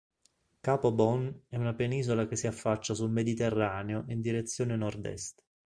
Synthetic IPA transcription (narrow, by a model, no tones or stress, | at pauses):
kaːpobɔnɛunapeniːzolakesːiafːat͡ʃːasulmed̪it̪erːaːneoʔind̪iɾet̪sːjoːnenɔrd̪ɛ̰st̪